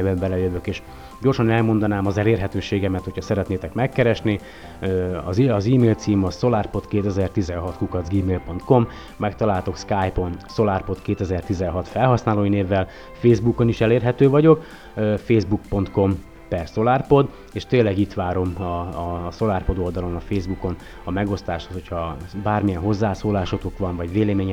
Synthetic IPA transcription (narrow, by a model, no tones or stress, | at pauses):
bɛmbɛlɛjøvøkeːʃ | ɟo̞rʃɒnɛlmo̞nd̪ɒnaːmɒzɛleːrɦɛt̪øːʃeːɡɛmɛt̪ho̞cʰhɒsɛɾɛt̪neːt̪ɛkmɛkːɛɾɛʃni | øɒ̰ziɒziːmeːlt̪siːmɒso̞laːrpo̞t̪keːt̪ɛzɛrt̪izɛnɦɒt̪kukɒd̪zɡiːmeːlpo̞nt̪ko̞mː | ɛk̚t̪ɒlaːlt̪o̞kskaːjpo̞nso̞laːrpo̞t̪keːt̪ɛzɛrt̪izɛnɦɒt̪fɛlɦɒsnaːloːineːvːɛl | feːzbuko̞niʃɛleːrɦɛt̪øːvɒɟo̞k | øfeːzbukpo̞nt̪ko̞m | pɛrso̞laːrpo̞d̪ | eːʃt̪eːlːɛɡit̪ʋaːɾo̞mɒso̞larpo̞d̪o̞ld̪ɒlo̞nɒfeːzbuko̞n | ɒmɛɡo̞st̪aːʃhoshochɒbaːrmijɛnɦo̞zːaːsoːlaːʃot̪okʋɒɱvɒɟʋeːlɛmeːɲɛ